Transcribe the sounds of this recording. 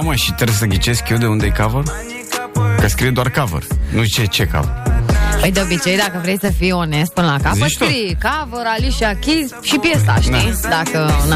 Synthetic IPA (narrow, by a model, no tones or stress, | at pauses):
aməʃit̪ɾes̬əɡʲit͡ʃeskʲewd̪eund̪ejkavər | kəskɾijed̪oarkavə̰rnut͡ʃet͡ʃeka̰və̰rpəjd̪eo̞bit͡ʃe̞jd̪akəvɾe̞sʲsəfijo̞ne̞st̪̚pɨnəlakaziət͡ʃt̪oɾijkavəɾaliʃakʲiz | ʃipjes̬a̰ʃd̪id̪akən